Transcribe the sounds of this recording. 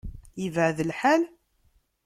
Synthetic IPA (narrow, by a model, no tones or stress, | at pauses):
jəvʕðəlħæl